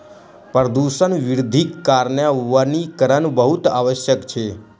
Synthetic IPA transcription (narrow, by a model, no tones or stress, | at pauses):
pɾəd̪uʃənʋɪɾʊd̪ʱikːaɾɳjəʋanikəɾənbəɦut̪aːʋəʃjəkt͡ʃʰe